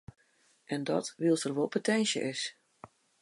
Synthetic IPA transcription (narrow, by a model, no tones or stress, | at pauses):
ʔɛndɔ̰tʋilˠsərʋolˠpʰotʰɛnsjə̰ʔɪs